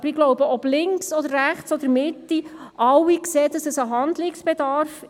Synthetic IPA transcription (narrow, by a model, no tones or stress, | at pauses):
b̥əɾiɡlɔʊbəʔɔb̥lɪŋksɔd̥̪əɾːæχt͡sɔd̪əɾmɪt̪ːiʔɑwːikseːd̥̪ɑsəsəɦɑnd̪lɪksb̥ɛd̪ɑɾf